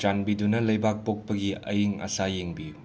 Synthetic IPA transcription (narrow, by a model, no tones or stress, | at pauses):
t͡ʃanbidunɐlɐjbak̚pok̚pɐɡiɐ̰jiŋɐ̰sajeŋbi